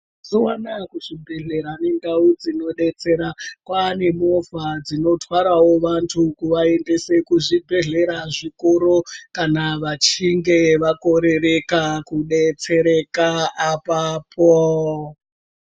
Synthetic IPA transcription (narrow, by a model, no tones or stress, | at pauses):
zuwanakuʐibʱe̞ɮe̞ɾaneŋɡaud͡zino̞ɗe̞t͡se̞ɾakwane̞movad͡zino̞twaɾawo̞ʋantʰukuʋae̞nde̞se̞kuʐibʱe̞ɮe̞ɾaʐikoɾokanaʋat͡ʃiŋɡeʋako̞ɾe̞rekakuɗet͡se̞ɾekaapapʰo